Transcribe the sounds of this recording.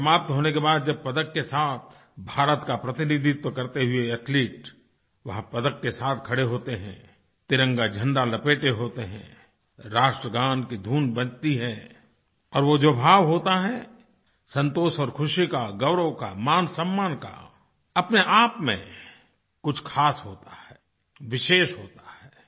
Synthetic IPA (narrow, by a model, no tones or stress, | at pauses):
sɐmaːp̚t̪ɦoːnekebaːd̪̚d͡ʒɐb̚pɐd̪əkːesaːt̪ʰ | bʱaːɾət̪kapɾɐt̪ɪnid̪ʱit̪okɐɾt̪eɦʊeɐʈʰliːʈ | ʋɐɦpɐd̪əkːesaːt̪ʰkʰɐɽeɦoːt̪eɦɛ̰̃ | t̪ɪɾə̃ŋɡad͡ʒʱɐ̃ɳɖalɐpeːʈeɦoːt̪eɦɛ̰̃ː | ɾaːʃʈɾəɡãːnkid̪ʱuːnbɐ̃nt̪iɦɛː | ɔːɾʋod͡ʒoːbʱaːʋɦoːt̪aɦɛ | sɐ̃nt̪oːsɔːɾkʰʊʃikaɡɐʊɾəka̰maːnsɐmːaːnka̰ | ɐpneʔaːpmḛ̃ | kʊt͡ʃʰkʰaːsɦoːt̪ahɛː | ʋɪʃeːʃɦoːt̪ḁɦɛː